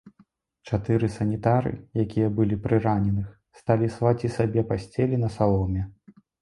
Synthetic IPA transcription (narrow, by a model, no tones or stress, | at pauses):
t͡ʂat̪ɨɾɨsɐnʲit̪aɾɨ̰jakʲijɐbɨlʲipɾɨɾanʲɛnɨx | st̪alʲisvat͡sʲisabʲɛpasʲt͡sʲɛlʲinɐsalˠɔmʲɛ